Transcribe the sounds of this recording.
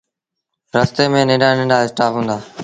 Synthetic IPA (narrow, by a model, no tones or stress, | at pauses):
ɾəst̪eːmẽːnẽːɖaːnẽːɖaːɪsʈaːfɦũːnd̪aː